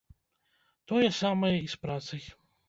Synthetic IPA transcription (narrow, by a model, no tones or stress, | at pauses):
t̪ɔjɛsamɐjɛispɾat̪sɨj